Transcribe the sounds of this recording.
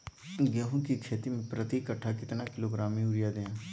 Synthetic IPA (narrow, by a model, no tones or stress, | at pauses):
ɡjɐɦũkikʰeːt̪imẽpɾɐt̪ikɐʈʰːakɪt̪nakɪloɡɾaːmĩuɾijad̪eã